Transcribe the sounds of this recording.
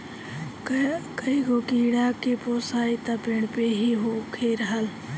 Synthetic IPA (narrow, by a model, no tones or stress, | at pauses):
kəikokiɽakepoːsaːit̪əpɪɳ̃peɦiɦokʰeɾəɦəl